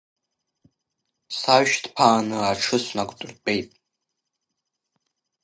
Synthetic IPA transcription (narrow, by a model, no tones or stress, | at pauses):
saʃtpʰaːnɨaʈ͡ʂʰɨsʷnakʷʼtʼʊrpʼejtʼ